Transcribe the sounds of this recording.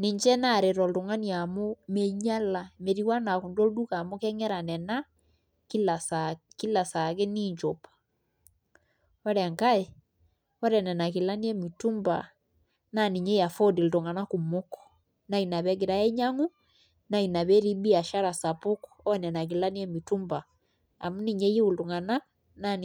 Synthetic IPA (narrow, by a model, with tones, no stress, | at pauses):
ne˨ɲd͡ʒɛ˦na˦˨ɾe˨ɾɔ˨ldo˨ŋa˦ni˨a˨mo˦me˦ɲa˦la˨me˨ɾi˨wa˦na˨ku˨ndo˦du˦ka˨mo˦kɛ˦ŋɛ˦ɾa˨nɛ˨na˦ | ki˦la˨saki˦la˨sa˨ɣe˦ni˦ɲd͡ʒo˨pḁ | ɔ˦ɾɛ˨ŋka˦e˨ | ɔ˦ɾɛ˨nɛ˨na˨ki˨la˦ni˦ɛ˦mi˨tu˦mba̰˨ | na˦ni˨ɲe˦ja˨fɔ˦di˨lto˨ŋa˨na˦ku˨mo˦kɔ̥˨ | na˦i˨na˨βɛ˦ɡe˨ɾa˨ɛ˦ɲa˦ŋu˦ | na˦i˨na˨βɛ˦ɾi˦bi˦a˨ʃa˦ɾa˨sa˨po˦kɔ̥ɔ˦nɛ˨na˨k̬i˨la˦ni˦ɛ˦mi˨tu˦mba̰ː˨ | mu˦ni˨ɲe˦je˦u˨lto˨ŋa˨na˦ | na˦n